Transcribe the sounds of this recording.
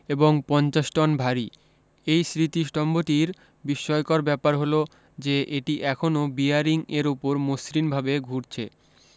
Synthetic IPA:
eboŋpɔnt͡ɕaʃʈɔnbʱaɾi | ejsɾit̪iʃʈɔmbot̪iɾ | biʃːɔjkɔɾbɛpaɾɦolo | d͡ʑeʔeʈiʔɛkʰonobiaɾiŋeɾupoɾmosɾinbʱabeɡʱuɾt͡ɕʰḛ

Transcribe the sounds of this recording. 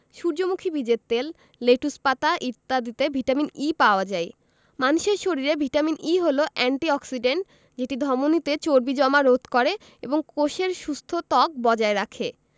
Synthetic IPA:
ʃuɾd͡ʑomukʰibʱid͡ʑett̪ːel | leʈuspat̪aʔiɾt̪ːad̪it̪ebʱiʈaminipaoad͡ʑaj | manuʃeɾʃoɾiɾebʱiʈaminiɦoloʔɛɳʈiɔksiɖeɳʈ | d͡ʑeʈid̪ʱɔmonit̪et͡ɕoɾbid͡ʑɔmaɾod̪ʱkɔɾe | eboŋkoʃeɾʃust̪ʰot̪ɔk̚bɔd͡ʑaeɾakʰe

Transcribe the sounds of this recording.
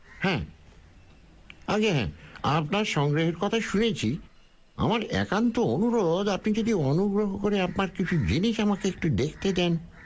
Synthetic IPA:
hɛ̃ | aɡeɦɛ̰̃apnaɾʃɔŋɡɾeɦeɾkɔt̪ʰaʃunet͡ɕʰi | a̰maɾɛ̰kant̪oonuɾoɾod̪apnid͡ʑod̪ionuɡɾoɦokoɾeapnaɾkit͡ɕʰud͡ʑiniʃamakeek̚ʈud̪ekʰt̪ed̪ɛn

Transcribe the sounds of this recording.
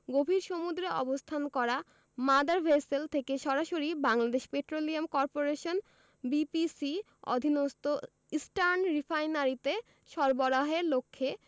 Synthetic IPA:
ɡobʱiɾʃomud̪ɾeʔɔ̰bost̪ʰankɔɾa | mad̪aɾbʱeselt̪ʰekeʃɔɾaʃoɾibaŋlad̪eʃpeʈɾoliamkɔɾpoɾeʃon | bipisi | ɔ̰d̪ʱinost̪o | isʈaɾnɾifʰajnaɾit̪e | ʃɔɾboɾaɦeɾlokʰːe

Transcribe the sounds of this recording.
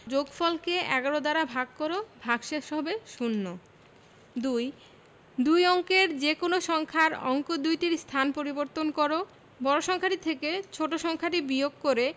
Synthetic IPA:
d͡ʑoɡfɔlkeʔɛ̰ɡaɾod̪aɾabʱaɡ̚koɾobʱaɡʃeʃɔbeʃunːo | d̪uj | d̪ujɔŋkeɾd͡ʑekonoʃɔŋkʰaɾɔ̰ŋkod̪ujʈiɾst̪ʰanpoɾiboɾt̪onkɔɾo | bɔɾoʃɔŋkʰaʈit̪ʰeket͡ɕʰoʈoʃɔŋkʰaʈibioɡkoɾe

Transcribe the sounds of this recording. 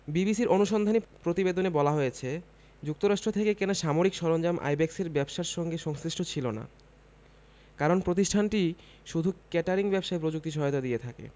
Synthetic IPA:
bibisiɾʔonuʃɔnd̪ʱanipɾot̪ibed̪onebɔlaɦojet͡ɕʰe | d͡ʑuk̚t̪oɾaʃʈɾot̪ʰekekenaʃamoɾikʃɔɾond͡ʑamʔa̰jbɛkseɾbɛbʃaɾʃɔŋɡeʃɔŋsɾiʃʈʰot͡ɕʰilona̰ | kaɾonpɾot̪̬iʃʈʰanʈi | ʃud̪ʱukɛʈaɾiŋbɛbʃaepɾod͡ʑuk̚t̪iʃ̬ɔɦot̪ad̪ijet̪ʰakḛ

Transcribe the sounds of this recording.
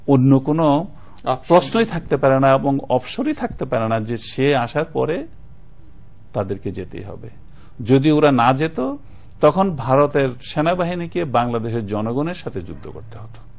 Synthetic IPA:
onːokono | pɾosnojt̪ʰak̚t̪epaɾenaeboŋɔ̰bʃoɾit̪ʰak̚t̪epaɾenad͡ʑeʃeaʃaɾpɔ̰ɾe | t̪ad̪eɾked͡ʑet̪ḛjɦɔ̰bḛ | d͡ʑod̪ioɾanad͡ʑet̪o | t̪ɔkʰonbʱaɾot̪eɾʃenabaɦinikebaŋlad̪eʃ̬eɾd͡ʑɔnoɡoneɾʃat̪ʰed͡ʑṵd̪ʱːo̰ko̰ɾt̪eɦot̪o̥

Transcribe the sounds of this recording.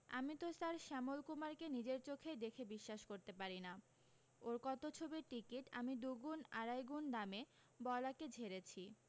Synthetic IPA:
a̰mit̪osaɾʃɛmolkumaɾkenid͡ʑeɾt͡ɕokʰed̪ekʰebiʃːaʃkoɾt̪epaɾina | oɾkɔt̪ot͡ɕʰobiɾʈikiʈamid̪uɡunaɾajɡund̪ame | bɔlaked͡ʑʱeɾet͡ɕʰi

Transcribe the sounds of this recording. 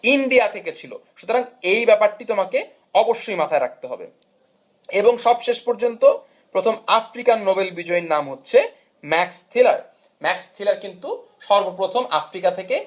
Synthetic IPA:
iɳɖiat̪ʰeket͡ɕʰilo̰ʃut̪oɾaŋejbɛpaɾʈit̪omake | ɔboʃːojmat̪ʰaeɾak̚t̪eɦɔbḛ | eboŋʃɔbʃeʃpoɾd͡ʑont̪o | pɾot̪ʰomafɾikannːobelbid͡ʑɔenamɦotːɕʰe | mɛkst̪ʰila̰ɾ | mɛkst̪ʰilaɾkint̪u | ʃɔɾbopɾot̪ʰomʔa̰fɾikat̪ʰeke

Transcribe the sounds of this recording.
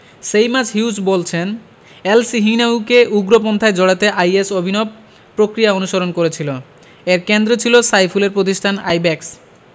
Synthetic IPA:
ʃejmad͡ʑɦiud͡ʑbolt͡ɕʰen | elsiɦinaukeʔuɡɾop̬ɔnt̪ʰaed͡ʑɔɽat̪eʔajesobʱinob | pːɾokɾijaonuʃoɾonkoɾet͡ɕʰilo | eɾkend̪ɾot͡ɕʰilosajfuleɾpɾot̪̬iʃʈʰanajbɛks

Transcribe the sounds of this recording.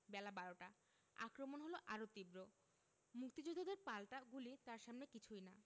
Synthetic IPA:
bɛlabaɾoʈa | a̰kɾomonɦoloʔaɾot̪ibɾo | muk̚t̪id͡ʑod̪ʱod̪eɾpalʈaɡulit̪aɾʃamnekit͡ɕʰujna

